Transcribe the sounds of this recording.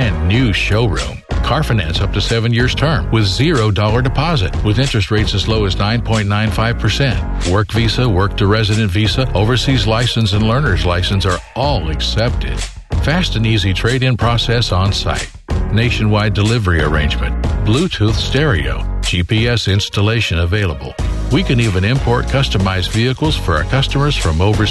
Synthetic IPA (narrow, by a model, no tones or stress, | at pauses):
ɨ̃nːʉʃoʊɹṵ̃mkʰɑɹfɨnæ̰̃nsʌp̚tʰɨsɛvɨ̃njɪɹz̥tʰɜ̃˞mwɨðzɪɹoʊdɔlˠə˞dɨpʰɑzɨ̰t̚wɨðɪ̃nt͡ʃɹ̥ɨst̚ɹeɪtsɨzloʊɨznãɪ̃npʰɔ̃ɪ̃nnːãɪ̃nfaɪv̥pʰə˞sɛ̃nt̚ | wɜ˞kvisəwɜ˞k̚tʰɨɹɛzɨɾɨ̃ntvisəoʊvə˞sizlaɪsɨ̃n̩sɨ̃nlɜ̃˞nə˞zlaɪsɨ̃n̩sə˞ɔlˠɨksɛp̚tʰɪ̰d̥ | fæstɨ̃nizitʰɹ̥eɪɾɪ̃npʰɹ̥ɔsɛsn̩sa̰ɪt̚neɪʃɨ̃nwaɪdɨlɪvə˞iə̰˞ẽɪ̃nd͡ʒmɨ̰̃ntb̥lutʰuθstɛɹḭo̰ʊ̥d͡ʒ̥ipiɛsɪ̃nstəleɪʃɨ̃nəveɪlˠəbl̩ˠwikɨ̃nivɨ̃nɪ̃mpʰɔɹt̚kʰʌstəmaɪzviɨkl̩ˠz̥fə˞ʊə˞kʰʌstəmə˞z̥fɹʌ̃moʊvə˞